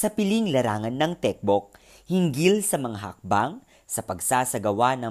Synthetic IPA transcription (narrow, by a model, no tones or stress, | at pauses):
sɐpɪliŋlɐɾaːŋɐnːɐŋt̪ɛk̚bok̚ | hɪŋɡilsɐmɐŋaɦɐ̰k̚baŋ | sɐpɐɡsasɐɡɐwanɐ